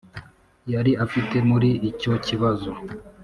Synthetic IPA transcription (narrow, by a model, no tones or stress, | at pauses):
jaɾiafite̞muɾiːco̞ciβazo